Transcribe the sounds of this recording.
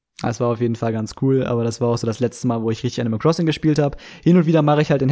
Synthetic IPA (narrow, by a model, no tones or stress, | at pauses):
sv̥aːɐaʊfjeːdn̩falɡant͡skʰuːlʔa̰ːbɐɾasv̥aːɐaʊxz̥oːdaslɛt͡stəmaːlvoːɪçʁɪçtɪçaɪnəməkʁ̥ɔsɪŋɡəʃpiːlthaːbəhɪnʊntviːdɐmaχəɪçhaltɪn